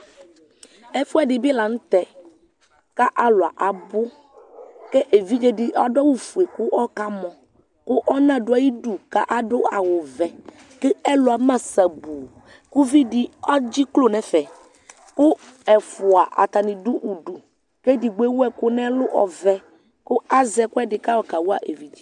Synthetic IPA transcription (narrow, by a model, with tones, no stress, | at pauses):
ɛ˦fu˦a˨ɖɪ˨bi˦la˨ŋũ˦t̪ɛ˨ | ka˦ʔa˦lʊ˨a˨ʔa˨bʊ˦ | ke˦ʔe˨vi˦d͡ʒe˦ɖɪ˦ʔa˦˨ɖɔ˦wu˦fu˨e˨ku˦ʔɔ˦ka˦mɔ̃˨ | kʊ˦ʔɔ˦nã˦ɖʊ˦a˨ji˦ɖu˨ka˦ʔa˦ɖʊ˦a˨wʊ˨vɛ˨ | ke˦ɛ˦lʊ˨a˨mã˦sa˨bu˨ | ku˦vi˦ɖi˦ɔ˦d͡ʑi˦klo˦nɛ̃˨fɛ˨ | kʊ˦ | ɛ˨fʊ˨a˨ʔa̰˨t̪a˨nĩ˨ɖu˦ʔu˨ɖu˨ | ke˦di˨ɡ͡be˦wo˦ɛ˦kʊ˦nɛ̃˦lʊ˦ʔɔ̰˨vɛ˦ | kʊ˦a˦zɛ˨kʊ˦ɛ˦dɪ˨ka˦wɔ˦ka˨wu˦a˨ʔḛ˨vi˦d͡ʒi˦